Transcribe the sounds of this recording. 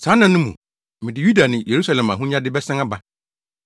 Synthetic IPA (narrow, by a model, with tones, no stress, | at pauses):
sãː˨˦nã˨nʊ̃˦mṵ̃˨ | mɪ̃˨dɪ˨ju˦da˨nɪ̃˨je˨ɾu˦sa˦lɛ̃˨mã̰˨ɦũ˦ɲã˦dɪ˦bɛ˦sã˦ŋa˦ba˨